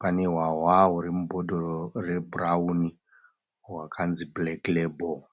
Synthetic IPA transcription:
paneɦwaɦwaɦuɾimubʱoɗororeburauni | wakʰanzibleklebo

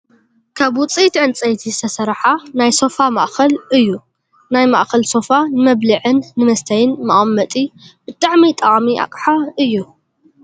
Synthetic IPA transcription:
kʰaβwʊt͡sʼit̪ʕɨnt͡sʼɐjt̪ʰizɨ̥t̪ʰɐsɐɾħanajso̞fama̰ʔxɐlɨjːu | najmaʔxɐlso̞fanɨmɐβlɨʕɨnːɨmɐst̪ʰɐjɨnmɐʔʼɐmːɐt̪ʼibɨt̪ʼaʕmit̪ʼɐχʼmia̰kʼħaɨjːu

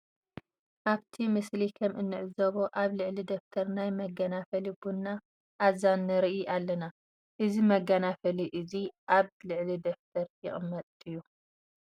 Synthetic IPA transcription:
ʔaβt̪ʰimɨslikʰɐmʔɨnːɨʕɨzɐβoʔaβlɨʕlid̪oft̪ʰɐɾnajmɐɡɐnafɐlibunːa | ʔːzanːɨɾiʔiʔalːɐna | ʔɨzimɐɡanafɐliʔɨziʔaβlɨʕlid̪oft̪ʰɐɾjɪχʼɨmːɐt̪ʼɨjːu

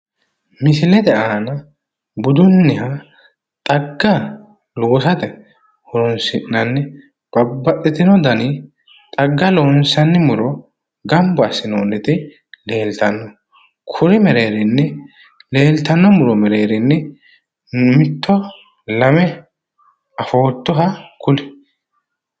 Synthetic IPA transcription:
mɪsɪlɛd̪ɛaːnɐ | bʊd̪ʊnːɪhɐ | t̪ʼɐɡːɐ | loːsɐt̪ɛ | hɔɾɔnsɪnːɐnːɛ | b̥ɐbːɐʔɪt̪ɪnɔd̪ɐnɪ | t̪ʼɐɡːɐloːnsɐnːɪmʊɾɔ | ɡɐmbɔɐsɪnoːnːɛt̪ɪ | le̞ːlt̪ɐnːɔ | kʰʊɾɪmɛɾe̞ːɾɪnːɛ | le̞ːlt̪ɐnːɔmʊɾɔmɛɾe̞ːɾɪnːɛ | mɪt̪ʰːɔ | lɐmɛ | ɐfoːt̪ːɔɦɐkʊlɪ̥

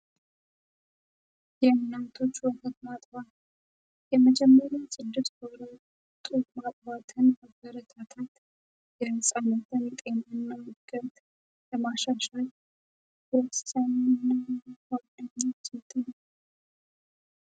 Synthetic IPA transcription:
jɛɨnːat̪ʰo̞t͡ʃːwɔhət̪mat̪ʼva | jɛməd͡ʒɛmːəɾjawsʼɨd̪ːɨt̪boɾa | t̪ʼukmat̪ʼbat̪ʰɨnmabəɾət̪ʰat̪ʰat̪ | jɛsʼanət̪ʰɨnt̪ʼenanːamɨɡət̪ | ləmaʃaʃal | wɔtsanːnːawad̪aɲːasʼɨt̪ʼːnəw

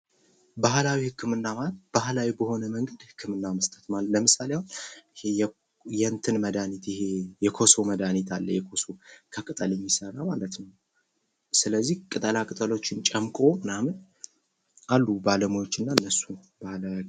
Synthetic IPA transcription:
bahlawihɨkʰːɨmɨnːamalət̪b̥ahlawibəho̞nəməŋɡəd̪hɨkʰːɨmɨnːaməst̪ʼət̪maləmɨsaleaw | jɛnt̪ʰɨnməd̪anit̪jɪhejɛkʰo̞soməd̪anit̪ʰalːə̰jɛkʰo̞sokʰəkʼɨt̪ʼəlɨɲːɪsəɾamalət̪nəw | sɨləzːihkʼɨt̪ʼəlakʼɨt̪ʼəlot͡ʃːɪnt͡ʃʼəmkʼo̞mɨnamɨn | alːubaləmujo̞t͡ʃːɪnːanːəsːun | b̥ahla

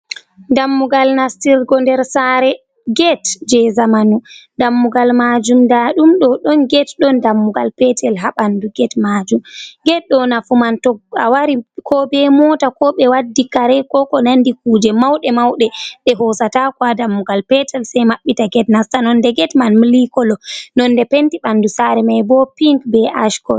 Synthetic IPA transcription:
ndamːuɡalnastiɾɡɔndɛɾsaɾɛ | ɡɛtd͡ʒɛzamanudamːuɡalmad͡ʒumdaɗumɗɔɗɔnɡɛtɗɔndamːuɡalpɛtʰɛlɦaɓanduɡɛtmad͡ʒumɡɛt̚ɗɔnafumantɔa̰waɾikʰɔbɛmɔtakɔɓɛwadːikaɾɛkɔkɔnandik̚uːd͡ʒɛmawɗɛmawɗɛɗɛɦɔsatakwadamːuɡalpɛtʰɛlsajmaɓːitaɡɛtnastanɔndɛɡɛtmanmilikɔlɔnɔndɛpentiɓandusaɾɛmajbɔpiŋkbɛʔaʃkɔ

